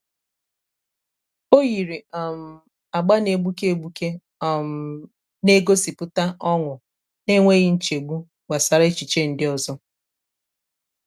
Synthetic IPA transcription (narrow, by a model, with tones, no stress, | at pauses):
o˦ɣi˨ɾi˨m̩˨ | a˨ɡ͡ba˦ne˨ɡ͡bu˦ke˦e˨ɡ͡bu˦ke˦˨ | ne˦ɡo˦si˨pʊ˦ta˦ʔɔ˦ŋʊ˨ | ne˦ŋʷe˦ɣɪ˦n̩˦t͡ʃe˨ɡ͡bu˦ | wa˨sa˨ɾe˦t͡ʃi˨t͡ʃe˦n̩˨˦dɪ˦ɔ˨zɔ˦